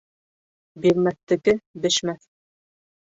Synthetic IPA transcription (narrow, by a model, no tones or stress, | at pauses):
biɾmæθt̪ɘ̆kɘbɘ̆ʃmæθ